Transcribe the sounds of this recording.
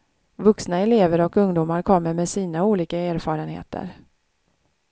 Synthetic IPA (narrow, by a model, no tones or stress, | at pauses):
vɵksnaɛleːvəɾɔkɵŋd̪uːmaɾkʰɔmːəɾmɛsiːnauːliːkaeːɾfɑːɾənhḛːt̪ʰə̰ɾ